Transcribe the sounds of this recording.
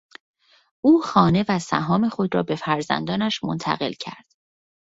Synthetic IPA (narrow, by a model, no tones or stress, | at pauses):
ʔuːxɒːne̞væsæ̰ɦɒːmexo̞d̪ɾɒ̰ːbe̞fæɾzæ̰nd̪ɒːnæʃmo̞̰nt̪ʰæ̰ɣe̞̰lcʰæ̰ɾd̪̥